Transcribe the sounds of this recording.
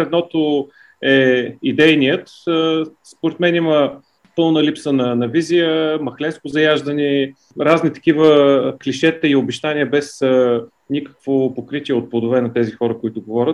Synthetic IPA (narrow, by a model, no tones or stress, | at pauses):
ɛd̪nɔt̪o | ɛid̪ɛjnijət̪ | spoɾɛt̪mɛnimə | pɤlˠnəlipsənɐnɐvizijəmɐxlɛnskʊzɐjaʒd̪ɐni | ɾaznit̪ɐ̥k̟ivəkliʃɛt̪əiobɛʃt̪anʲiəbɛsə | nʲikə̥kvopokɾit̪ʲiɛot̪̚pod̪ovɛnɐt̪ɛzixɔɾəkoit̪ʊɡovɔɾʲət̪